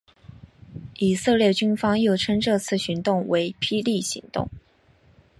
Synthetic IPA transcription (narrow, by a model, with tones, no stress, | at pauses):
i˨˩sɤ˥˧ljɛ˥˩t͡ɕy˥nfɑ˥ŋjo˥˩ʊʈ͡ʂʰɤ˥ŋʈ͡ʂɤ˥˧t͡sʰɹ̩˥˩ɕy˧˥nt̪ʊ˥˩ŋwe˧˥ɪpʰi˥li˥˩ɕḭ˧˥ŋt̪ʊ̰˥˩ŋ